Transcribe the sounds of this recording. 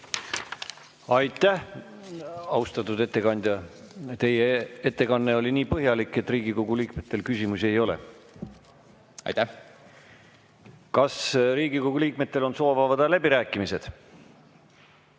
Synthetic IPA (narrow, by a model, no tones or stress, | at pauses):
ɑjt̪ˑːæh | ɑwst̪ɑt̪ːˑud̪e̞t̪ːˑe̞kɑnʲd̪̥ʲjɑ | t̪e̞jee̞t̪ːe̞kɑnːe̞o̞lʲiniːpɤɦjɑlikːˑe̞t̪riːɡ̥ikoɡ̥uliːkme̞t̪ːˑe̞lkysʲimusie̞jo̞lḛ | ɑ̰jt̪æ | kɑsɾiːɡ̥ikoɡuliːk̚me̞t̪ˑːe̞lo̞nso̞ːvɑvɑd̪̥ɑlæb̥iɾæːkːˑimise̞d̪̥